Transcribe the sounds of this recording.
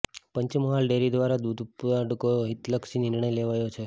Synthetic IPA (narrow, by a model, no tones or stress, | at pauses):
pəɲt͡ʃməɦalɖeɾid̪ʋaɾad̪ud̪ʱpuɖkojoɦit̪ləkʃinɪɾɳ̃əjleʋajot͡ʃʰe